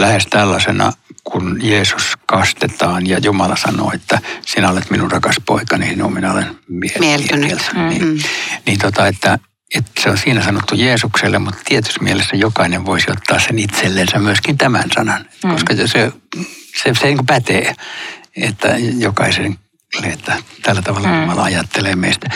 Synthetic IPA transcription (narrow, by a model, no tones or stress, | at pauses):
læhest̪ælːɑsenɑ̰kunjeːsu̥skɑst̪et̪ɑːnjɑjumɑlɑsɑno̰ːet̪ːæsinæolet̪minurrɑkɑspo̰ikɑniino̰ːminæo̰lḛnmielmnelsnnḭːniːnt̪ot̪ɑet̪ːæ | et̪seonsiːnæsɑnot̪ːujeːsukselːemmut̪t̪iet̪y̥smielesːæjokɑineʋʋoisiot̪ːɑːssenit̪selːensæmmyøskint̪æmæ̰nsɑ̰nɑnekoskɑjse | seseniːŋkopæt̪eː | ḛt̪ːæ̰jokɑiseŋ | lːeet̪ːæt̪ælːæt̪ɑʋɑlːjumɑlɑ̰ɑjɑt̪ːeleːmḛist̪æ